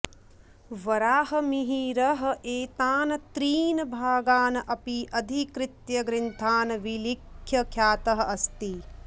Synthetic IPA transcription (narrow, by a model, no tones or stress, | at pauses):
ʋɐɾaːɦɐmiɦiːɾɐɦɐ̆ʔeːt̪aːnɐt̪ɾiːnɐbʱaːɡaːnɐʔɐpiʔɐd̪ʱikɾɪt̪jɐɡɾɪnt̪ʰaːnɐʋilikʰjɐkʰjaːt̪ɐɦɐ̆ʔɐst̪i